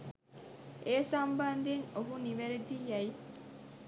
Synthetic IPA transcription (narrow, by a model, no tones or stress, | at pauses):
ʔeːsɐmbɐnd̪eŋoɦuniʋeɾed̪ijæi